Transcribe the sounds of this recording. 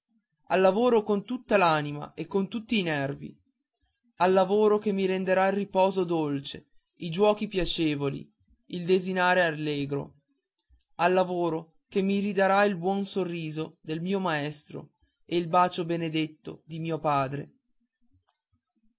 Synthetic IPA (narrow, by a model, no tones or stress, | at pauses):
alːavoːɾokont̪ut̪ːalaːnima̰ʔekːont̪ut̪ːiːnɛrvḭ | alːavoːɾokemːiɾend̪eɾailrːipɔːzod̪olt͡ʃe | id͡ʒwɔːkipjat͡ʃeːvolḭ | ild̪ezinaːɾealːeːɡɾo̰ | alːavoːɾo | kemːiɾid̪aɾailbwɔnsorːiːzod̪elmiːomaɛst̪ɾo̰ | eilbaːt͡ʃobened̪et̪ːo̰d̪imiːopaːd̪ɾḛ